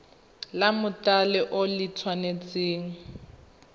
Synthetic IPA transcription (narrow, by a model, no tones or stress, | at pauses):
lamʊtʼalɪʔʊlɪt͡sʰwanet͡sʼeːŋ̩